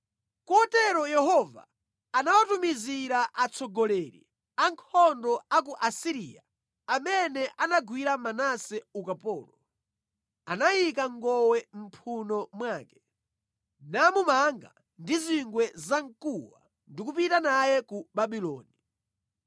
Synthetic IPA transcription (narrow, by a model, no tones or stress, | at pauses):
kɔɔtɛɾɔjɛhɔva̰ː | nawatumiziɾaʔat͡sʰɔɡɔlɛɾḭ | aŋkʰɔndɔak̬uʔasiɾḭːja̰ | amɛnɛʔanaɡwiɾamanasɛukapɔːlɔ | anajikaŋɡɔwɛm̩pʰunɔmwaːkɛ | namumaŋɡa̰ | ndiziŋɡwɛzaŋkuwa̰ | ndikupitanajɛkubaɓilɔ̰ːni